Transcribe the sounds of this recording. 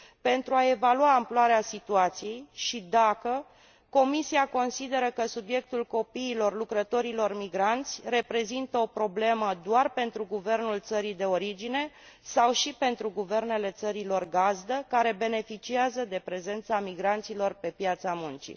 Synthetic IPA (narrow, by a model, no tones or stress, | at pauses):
pe̞nt̪ɾuae̞valuwaːmploaɾeasit̪uat̪sije̞jʃid̪akə | ko̞misiako̞nsid̪e̞ɾəkəsubje̞k̚t̪ulko̞piːlo̞rlukɾət̪o̞ɾilo̞rmiɡɾant̪sʲre̞pɾe̞zint̪əo̞pɾo̞ble̞məd̪oarpe̞nt̪ɾuɡuve̞rnult̪səɾid̪e̞o̞ɾid͡ʒine̞ | sawʃipe̞nt̪ɾuɡuve̞rne̞le̞t̪səɾilo̞rɡazd̪əkaɾe̞be̞ne̞fit͡ʃiazəd̪e̞pɾe̞ze̞nt̪samiɡɾant̪silo̞rpe̞pjat̪samunt͡ʃḭ